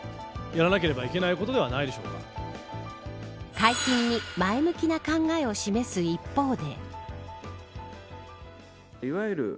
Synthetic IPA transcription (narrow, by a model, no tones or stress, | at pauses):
jaɾanakeɾe̞baike̞naiko̞t̪oe̞βanaid̪e̞ɕoːka̰ | kaikʲĩɲːimaemɯ̟kʲinakãŋɡae̞o̞ɕime̞sɨipːo̞ːd̪e̞ | iβaɯɾɯ̟̰